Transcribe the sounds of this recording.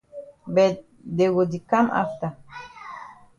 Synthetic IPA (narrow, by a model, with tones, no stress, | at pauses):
bɛ˨ | de˨ɡo˨di˨ka˦mʔa̰˦ft̪a˨